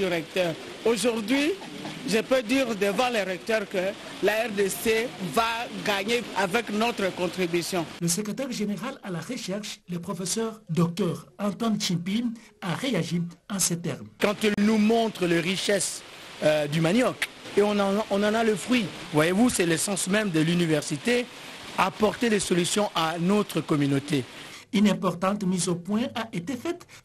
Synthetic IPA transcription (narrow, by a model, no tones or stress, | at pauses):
yʁɛk̚t̪œʁ | oʒuʁd̪ɥi | ʒəpød̪iːʁd̪əvãleʁɛk̚t̪œʁkə | laɛʁd̪esevaɡaɲeavɛknɔt̪χəkɔ̃t̪χibysjɔ̃ləsəkχet̪ɛʁʒeneʁalalaʁəʃɛʁʃlepχɔfesœʁd̪ɔk̚t̪œʁɑ̃t̪wãnʃɛ̃pinaʁeaʒiɑ̃set̪ɛ̰ʁmkɑ̃t̪illnumɔ̃t̪χəleʁiʃɛs | d̪ymanjɔkeɔ̃ɔ̃nɑ̃naləfχɥivwajevusɛlesɑ̃smɛ̃md̪əlynivɛʁsit̪e | apɔʁt̪elesolysjɔ̃ʔanot̪χəkɔmynot̪e | ynɛ̃pɔʁt̪ɑ̃t̪mizopwɛ̃ʔaʔet̪efɛt̪